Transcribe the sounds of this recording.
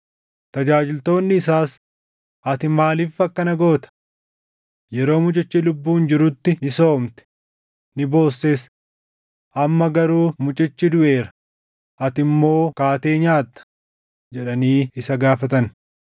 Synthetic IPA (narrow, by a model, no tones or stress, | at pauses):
t̪ɐd͡ʒaːd͡ʒɪlt̪o̞ːnːɪːsaːs | ʔɐt̪ɪmaːliːfɐkːɐnɐɡo̞ːt̪ɐ̥ | jɛɾo̞ːmʊt͡ʃʼɪt͡ʃːilʊbːuːnd͡ʒɪɾʊt̪ːɪnɪso̞ːmt̪ɛ̥ | nɪbo̞ːsːes | ʔɐmːɐɡɐɾuːmʊt͡ʃʼɪt͡ʃːɪd̪ʊʔe̞ːɾɐ | ʔɐt̪ɪmːo̞ːkaːt̪e̞ːɲaːt̪ːɐ̥ | d͡ʒɛᶑɐniːɪsɐɡaːfɐt̪ɐn